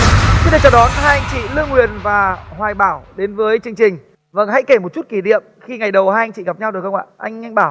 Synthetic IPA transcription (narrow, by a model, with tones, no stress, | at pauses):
ɗt͡ɕɔ˧wɗɔ˨˦nhaː˧jʔa˧jŋ̟t͡ɕḭ˧˨lɨ˧əŋwi˨˩ənvaː˨˩hwaː˨˩jɓaː˧˩wɗe˨˦nvəː˨˦jt͡ɕɨ˧əŋt͡ɕï˨˩ŋ̟ | və̰˧˩nɦa̰˧˥jke˧˩mo˨˩t̚t͡ɕu˦˥t̚ki˧˩ɗḭ˧˨əmxi˧ŋa˨˩jɗə˨˩whaː˧jʔa˧ŋt͡ɕḭ˧˨ɣa˨˩p̚ɲa˧wɗo˨˩jxə˧wŋ͡mʔa̰ː˧˨ʔa˧jŋ̟ŋa˧ŋ̟ɓaː˧˩w